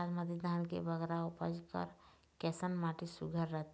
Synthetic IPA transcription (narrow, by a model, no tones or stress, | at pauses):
ad͡ʒməd̪əd̪ʱaːnkebəɡɾaupəd͡ʒkə̰ɾ | kɛsənmaʈisuɡʱəɾɾət̪